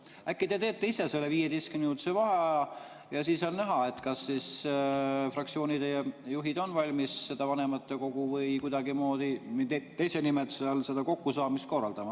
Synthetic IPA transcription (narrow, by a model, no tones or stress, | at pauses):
ækːid̪e̞t̪e̞ːt̪ːe̞ise̞se̞lːeviːjed̪eskymniut̪sevɑɦe | jɑsiːsɑlnæɦɑe̞t̪kɑsːis | frɑkt̪sio̞ːnid̪ejuɦid̪̥o̞nvɑlʲmisːe̞d̪̥ɑvɑne̞mɑt̪ːˑe̞ko̞ɡ̥uvɤjkujd̪̥ɑɡimo̞ːd̪̥iniet̪ejsenimet̪seɑlse̞d̪ɑko̞kːusɑːmist̪ko̞rːɑld̪ɑmɑ